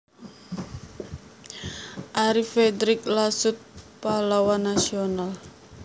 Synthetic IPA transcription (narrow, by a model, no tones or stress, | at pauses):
ʔaɾifed̪ɾɪklasʊt̪̚palawanːasional